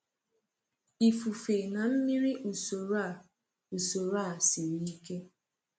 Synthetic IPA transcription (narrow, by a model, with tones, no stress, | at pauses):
i˨fu˨fe˨na˨m̩˦mi˦ɾi˦ʔu˨so˨ɾa˦˨ | u˨so˨ɾa˦˨si˨ni˦ke˦